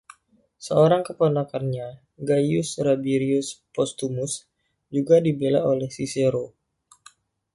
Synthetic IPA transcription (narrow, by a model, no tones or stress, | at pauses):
səoɾaŋkəponakanɲa | ɡajusɾabiɾiuspɔst̪umʊs | d͡ʒuɡadibelaolɛhsiseɾo